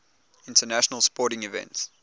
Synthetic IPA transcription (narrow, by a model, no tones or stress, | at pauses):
ɪ̃ntənæʃənəlˠspɔˑɾɪ̃ŋivɛ̰̃nts